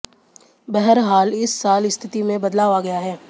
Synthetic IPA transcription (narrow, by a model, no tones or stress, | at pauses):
bɛɦəɾɦaːlɪsːaːlɪst̪ʰɪt̪imẽbɐd̪laːʋaɡɐjaɦɛː